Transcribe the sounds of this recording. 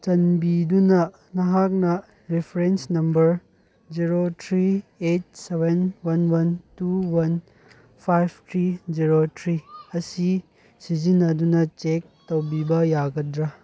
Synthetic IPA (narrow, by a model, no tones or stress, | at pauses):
t͡ʃɐnbidunɐ | nɐɦak̚nɐ | ɾepʰɾensnɐmbɐɾ | d͡ʒiɾotʰɾiet̚sebenwɐnwɐntuwɐn | pʰajb̚ʰtʰɾid͡ʒiɾotʰɾiɐsi | sizinːɐdunɐt͡ʃek̚tɐwbibɐjaɡɐdɾɐ